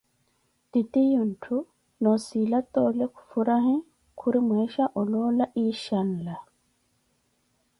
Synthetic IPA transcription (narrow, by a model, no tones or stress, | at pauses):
t̪it̪ijuntʰu | nosilat̪oːleku̥fuɾaɦĩ | kʰuɾimweʃaʔɔlolaʔiːʃanla